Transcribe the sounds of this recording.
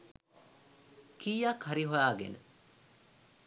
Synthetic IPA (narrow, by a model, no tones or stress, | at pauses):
kiːjakhaɾiɦojaːɡḛnə̰